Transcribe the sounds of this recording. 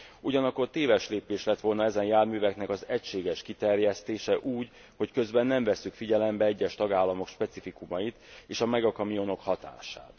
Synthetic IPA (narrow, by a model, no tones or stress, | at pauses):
uɟɒnɒkːo̞rt̪eːvɛʃleːpeːʃlɛt̪ʋo̞lnɒɛzɛnjaːrmyːvɛknɛkɒzɛcʃeːɡɛʃkit̪ɛrjɛst̪eːʃɛʔuːɟ | ho̞ckø̞zbɛnːɛɱvɛsːykfiɟɛlɛmbɛɛɟːɛʃt̪ɒɡaːlːɒmo̞kʃpɛt̪sifikumɒjit̪eːʃɒmɛɡɒkɒmijo̞no̞khɒt̪a̰ːʃa̰ːt̪